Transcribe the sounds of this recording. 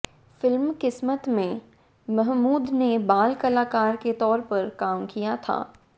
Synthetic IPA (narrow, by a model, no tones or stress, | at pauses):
fɪlmkɪsmət̪mẽ | mɐɦmuːd̪nebaːlkɐlaːkaːɾket̪ɔːɾpɐɾkaːmkijat̪ʰa̰ː